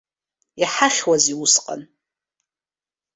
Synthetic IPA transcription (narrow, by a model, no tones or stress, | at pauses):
iħaχʲwaziusqʼa̰n